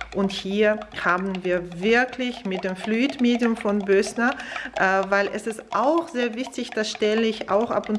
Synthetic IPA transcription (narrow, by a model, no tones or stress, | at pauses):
ʔʊnthiːɐhaːbn̩viːɐvɪɐklɪçmɪt̚d̥eːmfluiːtmeːdjʊmfɔnbøsnɐʔɛːvaɪlʔɛsɪstʔaʊxz̥eːɐvɪçtɪçd̥asʃtɛləɪçʔa̰ʊxʔa̰pʊn